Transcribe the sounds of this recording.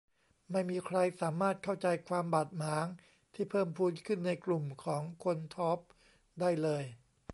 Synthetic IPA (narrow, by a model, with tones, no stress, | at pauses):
ma˥˩jmiː˧kʰɾa˧jsaː˩˦maː˥˩t̪̚kʰa˥˩wt͡ɕa˧jkʰwaː˧mbaː˨˩t̪̚maː˩˦ŋ | t̪ʰiː˥˩pʰɤː˥˩mpʰuː˥˩tkʰɯ˥˩nːa˧jklu˨˩mkʰɔː˩˦ŋkʰo˧nt̪ʰɔː˦˥p̚ | daː˥˩jlɤː˧j